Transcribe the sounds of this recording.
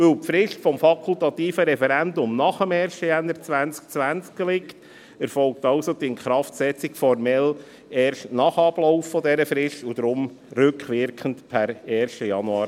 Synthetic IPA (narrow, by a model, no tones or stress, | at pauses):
ʋɵlpfɾɪʃtfɔmfɑkʰultɑt̪iːfəɾɛfɛɾændʊmnɑχəmɛːrʃtəjænːəɾt͡sʋænt͡sk̚t͡sʋænt͡skɡelɪkt | ɛɾfɔlk̚tɑʊsod̥̪iɪnχɾɑftsɛt͡sikfɔrmɛl | ɛːɾʃtnɑχɑb̥lɔʊfːɔdɛɾəfɾɪʃtud̥̪ɾʊm | rʏkχʋɪɾkʰəntpʰæɾɛːɾʃtəjɑnuɑːɾ